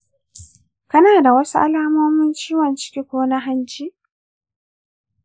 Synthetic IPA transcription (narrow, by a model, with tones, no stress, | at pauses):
kɐ˦naː˨da˨wɐ˦su˦ʔa˦laː˦mɔː˦mʊ˦nt͡ʃiː˦wɐ˨nt͡ʃɪ̥˦kʲi˦kʷoː˦na˦ɦa˦nt͡ʃiː˦ʔ